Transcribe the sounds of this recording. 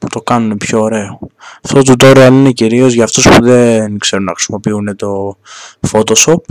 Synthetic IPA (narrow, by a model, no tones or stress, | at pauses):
pu̥t̪o̞kɐnunepço̞ːɾe̞oɐft̪o̞t̪ut̪o̞ɾiɐline̞ciɾio̞zʝɐːft̪ospuðe̞nkse̞ɾunɐxɾi̥simo̞piune̞t̪o̞fot̪o̞so̞p̚